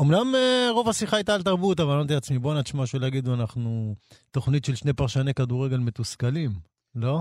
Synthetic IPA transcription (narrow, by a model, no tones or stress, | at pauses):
omnameʁo̞vasiχaajt̪aːlt̪̬aʁbut̪avaot̪̬iat͡smibo̞natʃmaʃelaɡid̪uanaχnut̪o̞χnit̪ʃelʃnepaʁʃanekad̪uʁeɡe̞lme̞t̪uskalim | lo̞